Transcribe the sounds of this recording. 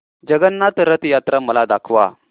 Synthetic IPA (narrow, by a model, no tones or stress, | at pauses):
d͡ʑəɡənːat̪ɾət̪jat̪ɾaməlad̪akʰʋa̰